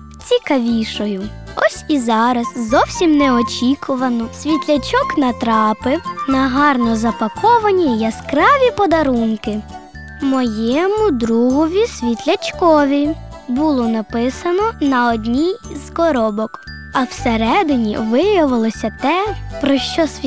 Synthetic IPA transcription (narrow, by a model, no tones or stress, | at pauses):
t͡sʲikɐʋʲiʃɔjʊ | ɔsʲizɑɾɐzzɔwsʲimnɛɔt͡ʃʲikʰʊʋɐnɔsʲʋʲit̪ʲlʲɐt͡ʃɔknɐt̪ɾɑpɪwnɐɦɑrnɔzɐpɐkʰɔʋɐnʲijɐskɾɑʋʲipɔd̪ɐɾunkɪ | mɔjɛmʊd̪ɾuɦɔʋʲisʲʋʲit̪ʲlʲɐt͡ʃkɔʋʲibulˠɔnɐpɪsɐnɔnɐɔd̪ʲnʲijz̥kɔɾɔbɔk | ɐwseɾɛd̪ɪnʲḭʋɪjɐʋɪlˠɔsʲɐt̪ɛpɾɔʃt͡ʃɔsʲ